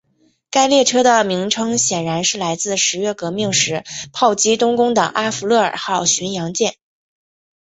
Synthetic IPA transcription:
ka˥ɪljɛ˥˩ʈ͡ʂʰɤ˥d̪ə˨mi˧˥ŋʈ͡ʂʰɤ˥ŋɕjɛ˨˩nɻa˧˥nʂɻ̩˥˩la˧˥ɪt͡sɹ̩˥˩ʂɻ̩˧˥ɥɛ˥˩kɤ˧˥mi˥˩ŋʂɻ̩˧˥pʰɑ˥˩ʊt͡ɕi˥t̪ʊ˥ŋkʊ˥ŋt̪ə̰˨˩ŋʔa˥fu˧˥lɤ˥˩ə̰˞˨˩xɑ˥˩ʊɕy˧˥njɑ˧˥ŋt͡ɕjɛ˥˩n

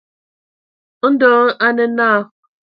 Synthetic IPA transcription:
n̩˦dɔː˨˦ʔa˦nə˦naː˦˨

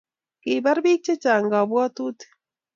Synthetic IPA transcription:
ki˨ba˦ɾbiː˦k̚t͡ʃe˦t͡ʃaː˨ŋɡa˨bwɔ˦t̪u˦t̪e̥˨

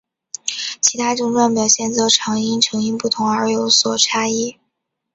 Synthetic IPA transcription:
t͡ɕʰi˧˥t̪ʰa˥ʈ͡ʂʊ˥˧ŋʈ͡ʂwa˥˩npjɑ˨˩ʊɕjɛ˥˩nt͡swɔ˥˩ʈ͡ʂʰɑ˧˥ŋi˥nʈ͡ʂʰɤ˧˥ŋi˥npu˥˩t̪ʰʊ˧˥ŋə˞˧˥jo˧˥ʊswɔ˨˩ʈ͡ʂʰa˥i˥˩

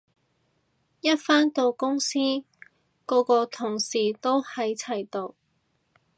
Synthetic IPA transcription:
jɐ˥t̚faː˥nt̪o˨˧wkʊ˥ŋsiː˥ | kɔː˨˧kɔː˧t̪ʰʊ˨˩ŋsiː˨˩t̪o˥whɐ˨˧jt͡sʰɐ˨˩jt̪o˧w

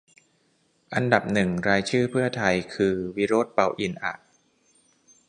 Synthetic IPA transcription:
ʔa˧nda˨˩p̚nɯ˨˩ŋɾaː˧jt͡ɕʰɯː˥˩pʰɯ˥˩ɐt̪ʰa˧jkʰɯː˧wi˦˥ɾoː˥˩t̪̚pa˧wʔi˧nʔa̰˨˩ʔ̚

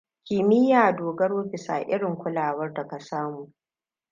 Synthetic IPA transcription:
kʲɪ˨mɪ˦jaː˨doː˨ɡɐ˦ɽoː˦bɪ˨sa̰ː˨ʔɪ˦ɽɪ˨ŋkʷʊ˦laː˨wɐ˦rda˨ka˨saː˦muː˨

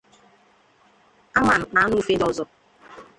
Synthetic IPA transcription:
a˦ma˨n̩˨na˨˦nu˦fe˦dɔ˦zɔ˦

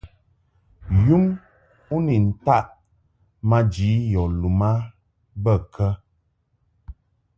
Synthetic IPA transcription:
ju˦m | u˦ni˨n̩˨ta˦ʔ | ma˦d͡ʒi˨˦jɔ˨lu˨ma˦ | bə˦˨kə˦

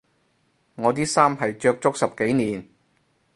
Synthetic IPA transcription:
ŋɔː˨˧t̪̬iː˥saː˥mɦɐ˨jt͡ʃœː˧k̚t͡sʊ˥k̚sɐ˨p̚ke˨˥jniː˨˧n

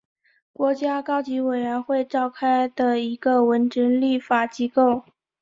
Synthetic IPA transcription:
kwɔ˧˥t͡ɕja˥kɑ˥ʊt͡ɕi˧˥we˨˩ɪɥə˧˥nxwe˥˧ɪʈ͡ʂɑ˥˧ʊkʰa˥ɪd̪ə˨i˧˥ɡə˧wə˧˥nʈ͡ʂə˧˥ŋli˥˩fa˨˩t͡ɕi˥ko˥˩ʊ

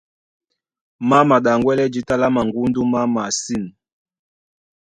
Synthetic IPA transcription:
ma˦ma˨ɗa˨ŋɡwɛ˦lɛ˦d͡ʒi˦ta˦la˦ma˨ŋɡu˦ndu˦ma˦ma˨si˦˨n

